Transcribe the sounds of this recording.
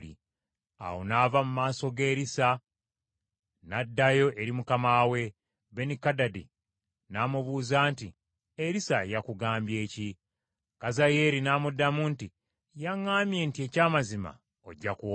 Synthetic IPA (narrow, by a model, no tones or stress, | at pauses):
ḭ | a̰wonavamumaːso̞ɡe̞ːɾisa | nadːajo̞ʔeɾimukamawe̞ | βe̞nikadadḭ | namuβuːzaːnti | eɾisajakuɡaːmbje̞ːci | kazaje̞ɾinaːmudːamuːnti | jaŋːaːmje̞ntie̞caːmazima̰ | o̰ɟːaku